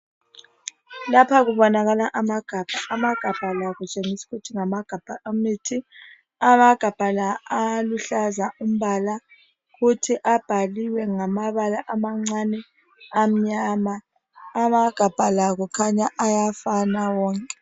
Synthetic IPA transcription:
lapʰaɣuβɔnaɣalaʔamaɡ̥ʱab̥ʱaʔːmaɡ̥ʱab̥ʱalaɣut͡ʃʼeŋisi̥ɣutʰiŋamaɡ̥ʱab̥ʱamitʰi | amaɡ̥ʱab̥ʱalaːluɬazaum̩βala | ɣutʰiʔab̥ʱaliwɛŋamaβalaʔamaŋ͡ǀanɛ | am̩ɲamaː | maɡ̥ʱab̥ʱalaɣɔkʰaɲaʔajafanawɔːŋkʼɛ

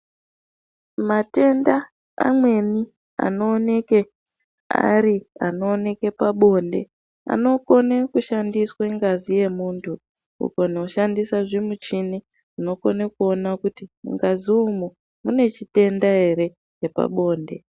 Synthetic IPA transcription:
mate̞nda̰ː | mwe̞ni | a̰no̞ːne̞ke | a̰ɾiano̞ːne̞ke̞paɓo̞nde̞̰ | a̰no̞ko̞nekuʃandiswaŋɡazije̞muːntʰu | ṵkonouʃandisaʐimut͡ʃini | uno̞ko̞nekuo̞nakutimṵŋɡaziumo | mune̞t͡ʃite̞ndaɦe̞ɾe̞ | je̞pa̰ɓo̞ːnde̞

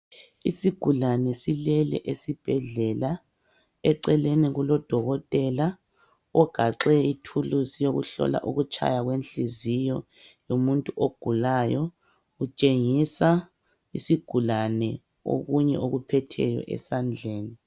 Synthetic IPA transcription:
isiɡ̥ʱulanɛsilɛlɛ̰ʔesib̥ʱɛɮɛla | ɛǀɛleniɣulɔd̥ʱɔɣɔtʼɛla | ɔɡ̥ʱaǁɛitʰuluzijoɣṵɬɔ̰la̰ʔuɣut͡ʃʰʼa̰jaɣwenɬizijɔ | jomuntʼuʔoɡ̥ʱulajɔ | ɣut͡ʃʼeŋisa | isiɡ̥ʱulanɛ | o̰ɣuɲɛ̰ʔoɣupʰɛtʰɛ̰jɔ̰ʔɛ̰sand͡ɮʱeːni

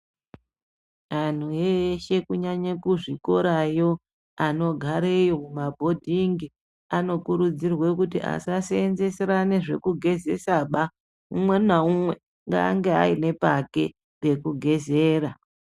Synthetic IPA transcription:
an̤ueʃe̞kuɲaɲakuʐiko̞ɾajo̞ | ano̞ɡʱaɾejomumabʱo̞dʱiŋɡi | ano̞kuɾud͡zirwe̞kutiʔa̰sasenze̞seɾaneʐe̞̰kuɡʱe̞ze̞saɓa | umwe̞naumwe̞ | ŋɡa̰ːŋɡe̞ɦa̰ine̞pake̞̰ | re̞kuɡʱe̞zeːɾa

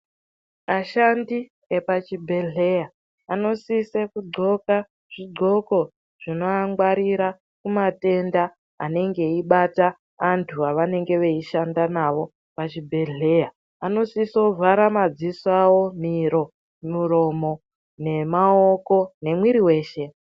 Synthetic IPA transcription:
aʃandi | epat͡ʃibʱe̞ɮe̞jaː | no̞sisekuɡ͡ǃo̞ka | ʐ̥iɡ͡ǃʱo̞ko̞ | ʐ̥ino̞aŋɡwaɾiɾa | kumate̞nda | a̰ne̞ŋɡe̞iɓata | antʰuaʋane̞ŋɡe̞ʋe̞iʃandanaʋo̞ | pat͡ʃibʱe̞ɮe̞ja | ano̞sisovʱaɾamad͡zisawo̞miɾo̞ | muro̞mo̞ | ne̞mao̞ko̞ne̞mwiɾiwe̞ːʃe̞

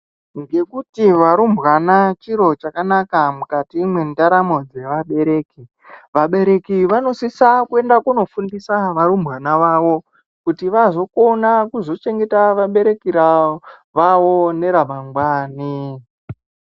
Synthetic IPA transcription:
ŋɡe̞kutiʋaɾumbɣanat͡ʃiɾo̞t͡ʃakanakamukatiːmwe̞ndaɾamo̞d͡ze̞ʋaɓe̞ɾe̞ːki | ʋaɓe̞ɾe̞kiʋano̞sisakue̞ndakuno̞fundisaʋaɾumbɣanaʋaʋo̞ | kutiʋazo̞ko̞nakuzo̞t͡ʃe̞ŋɡe̞taʋaɓe̞ɾe̞kiɾaʋaʋo̞ne̞ɾamaŋɡwaːni

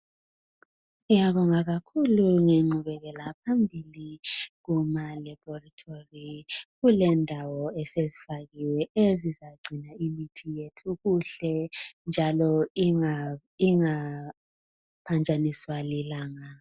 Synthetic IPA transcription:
ujaβɔŋaɣakʰuluŋeŋ͡ǃuβɛɣɛlapʰambʱiliɣumalabɔratʰoriɣulɛndʱawɔɛsezifaɣiwɛezizaɡ͡ǀʱinaimitʰijetʰʼuɣuɬɛnd͡ʒʱalɔŋa | iŋa | pʰand͡ʒʱʼaniswalilaːŋa

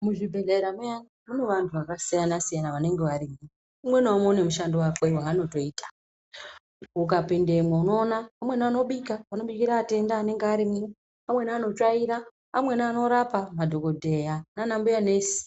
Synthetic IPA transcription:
muʐibʱe̞ɮeɾamujanimune̞ʋantʰuʋakasijanasijanaʋane̞ŋɡe̞ʋaɾimi | umwe̞noamo̞ne̞muʃandowakewaːno̞to̞iːtḁ | uk̬apinde̞mweuno̞ːnaamwe̞nano̞ɓikaʋano̞ɓikiɾaːte̞ndaːne̞ŋɡeaɾimi | amwe̞naːno̞t͡ʃaiɾaː | mwe̞nano̞ɾapamadʱo̞ko̞dʱe̞jananambujane̞ːsi̥

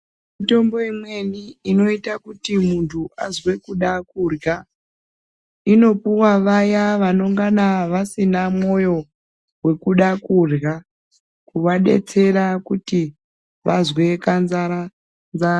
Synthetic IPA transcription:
mito̞mbo̞imweniino̞itakutimuntʰuazwe̞kuɗakurɣa | ino̞puwaʋajaʋano̞ŋɡanaʋasinamo̞jo̞ | we̞kuɗakurɡa | kuʋaɗe̞̰t͡se̞ɾakuti | ʋazwe̞kanzaɾa | nza

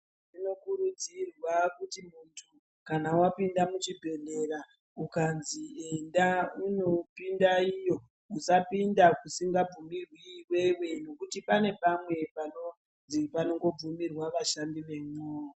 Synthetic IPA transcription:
ʐino̞kuɾud͡zirwakutimuntʰu | kanawapindamut͡ʃibʱe̞nde̞ɾa | ukanziendauno̞pindaijo̞ | usapindakusiŋɡab͡vumirwiːwewe̞no̞kutipane̞pamwe̞pano | ipano̞ŋɡo̞b͡vumirwaʋaʃambiʋe̞moːro

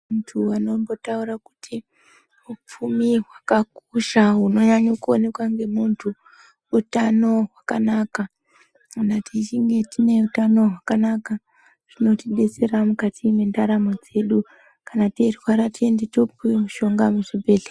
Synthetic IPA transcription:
untʰuwano̞mbo̞tauɾaku̥tʰi | up͡fumiwakakuʃaɦuno̞ɲaɲokuone̞kwaŋɡe̞muntʰu | utano̞ɦwakanaka | kanatit͡ʃiŋɡe̞tine̞utano̞ɦwakanaka | ʐ̥ino̞tiɗe̞t͡se̞ɾamukatimendaɾamod͡ze̞ɗu | kanaterwaɾatie̞ndetopuwemuʃo̞ŋɡamuʐibʱe̞ːɮe

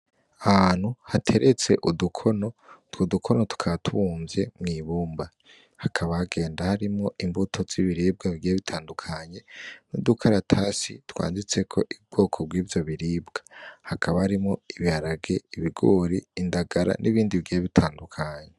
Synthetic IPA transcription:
ahaːn̥huhatʰe̞ɾe̞t͡se̞ʔudukʰo̞no̞twodukʰo̞no̞tu̥kʰatʰuβuːmvje̞mŋiːβuːmba | hakʰaβaaɡe̞ːndahaɾimŋoimbutʰoz̥iβiɾiːb̚ɡaβiɡijeβitʰaːndukʰaɲe̞nudukʰaɾatʰasitwa̰ːndit͡se̞kʰo̞ʔib̚ɡ̥o̞ːkʰo̞bɡiːvjo̞βiɾiːbɡ̥ḁhakʰaβahaɾimŋoiβihaɾaɡe̞iβiɡoːɾiːndaɡaɾa̰nʔiβiːndiβiɡijeβitʰaːndukʰaɲe

